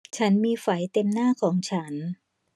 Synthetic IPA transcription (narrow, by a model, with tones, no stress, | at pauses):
t͡ɕʰa˦˥nmiː˧fa˩˦jt̪e˧mnaː˥˩kʰɔː˩˦ŋt͡ɕʰa˦˥n